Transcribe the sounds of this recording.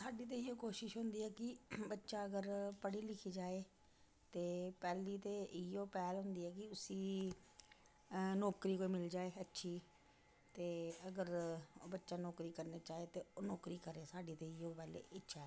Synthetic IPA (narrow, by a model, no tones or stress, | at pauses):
saːɖiːt̪̬eːioːkoːʃɪʃɦʊ̃nd̪iːɦɛːkɪbətːʃaːəɡəɾpəɽiːlɪkʰiːd͡ʒaːeː | t̪eːpɛːliːt̪eːʔɪoːpɛːlɦʊ̃nd̪iːɦɛːkɪʊsiː | nɔːkɾiːkoːiːmɪld͡ʒaːeːətːʃʰiː | t̪eːəɡəɾbətːʃaːnɔːkɾiːkəɾneːt͡ʃaːeːt̪eːonɔːkɾiːkəɾeːsaːɖiːt̪eːɪoːpɛːlḛːʔɪtːʃɛ